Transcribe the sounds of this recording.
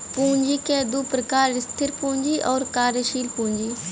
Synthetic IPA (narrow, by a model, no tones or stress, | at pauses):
pũːɲd͡ʒiːkɛːd̪uːpɾəkaːɾst̪ʰɪɾpũːɲd͡ʒiːʔɔːɾkaːɾʃiːlpũːɲd͡ʒiː